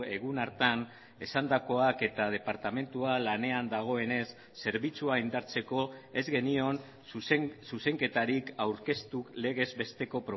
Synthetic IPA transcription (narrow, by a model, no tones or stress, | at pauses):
e̞ɣunaɾt̪an | e̞sand̪ako̞ake̞t̪að̞e̞paɾt̪ame̞nt̪ualane̞and̪aɣ̞o̞e̞ne̞sːe̞ɾβit͡suaind̪aɾt͡se̞ko̞e̞zɣe̞nio̞n | suse̞ŋke̞t̪aɾikawɾke̞st̪ukle̞ɣ̞e̞zbe̞st̪e̞ko̞pɾo